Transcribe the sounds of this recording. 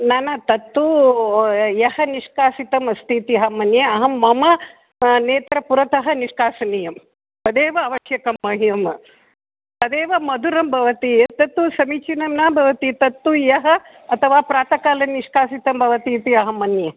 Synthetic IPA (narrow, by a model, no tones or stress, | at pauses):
nanɐt̪ɐt̪ːu | jɐhɐniʂkaːsit̪ɐmɐst̪ʰit̪iɦɐmɐnjɐɐɦɐmːɐmɐ | neːt̪ɾɐpuɾɐt̪ɐɦɐ̆niʂkaːsɐnijɐm | pɐd̪eːʋɐːʋɐʃjɐkɐmːɐɦijɐm | pɐd̪eːʋɐmɐd̪uɾɐmbʱɐʋɐt̪it̪ɐt̪ːusɐmit͡ʃinɐmnaːbʱɐʋɐt̪it̪ɐt̪ːujɐɦɐ̆ | ɐt̪ʰɐʋaːpɾaːt̪ɐkaːlɐnːiʂkaːsit̪ɐmbʱɐʋɐt̪iːt̪iɐɦɐmɐnjɐ